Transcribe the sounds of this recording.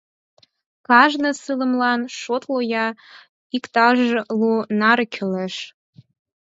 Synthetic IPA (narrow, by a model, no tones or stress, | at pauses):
kɑʒnəsɨlə̆mlɑnʃot̪lojɑ | ikt̪ɑʒlunɑɾkʰyleʃ